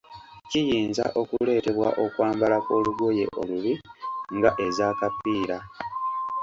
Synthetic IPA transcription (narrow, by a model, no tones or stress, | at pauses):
cijiːnza̰ʔo̞kule̞ːte̞βwa̰ʔo̞kwaːmbalako̞ːluɡwo̞je̞̰ʔo̞̰luβiŋɡaʔe̞zaːkapiːɾa